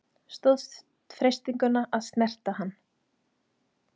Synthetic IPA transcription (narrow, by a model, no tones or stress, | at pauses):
st̪oðs | fɾejst̪iŋkʏnːaʔaðst̪nɛr̥t̪ahanː